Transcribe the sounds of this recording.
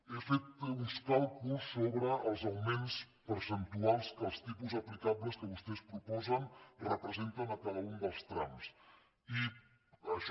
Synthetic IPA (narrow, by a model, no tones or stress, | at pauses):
efet̪unskalˠkusːoβɾəːlˠzəlmens | pəɾsənt̪ualˠskəlˠst̪ipuzəplikabləskəβust̪ɛspɾupɔzənrəpɾəzent̪ənəkaðəund̪əlˠst̪ɾams | i | əʃ